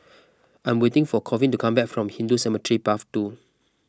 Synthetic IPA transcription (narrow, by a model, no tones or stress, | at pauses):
ãɪ̃mwetɪ̃ŋfɔkʰɔvĩntukʰãmbɛkfɹɔ̃mhĩndusɛmətɹipaftu